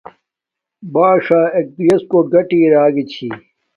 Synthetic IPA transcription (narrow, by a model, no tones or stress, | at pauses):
baːʂaːek̚pijɐskoːɡɐʈiːɾaːɡit͡ɕʰiː